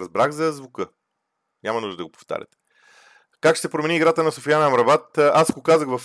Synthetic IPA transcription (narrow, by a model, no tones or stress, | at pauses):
ɐzbɾaɣzɐzvokɤ | nʲamɐnuʒd̪əd̪ɐɡopo̥ft̪a̰ɾʲə̰t̪ɛ̥ | kakʃt̪ɛpɾomɛniːɡɾat̪ənɐsofijanɐmɾɐvat̪asɡokazəɣvɐf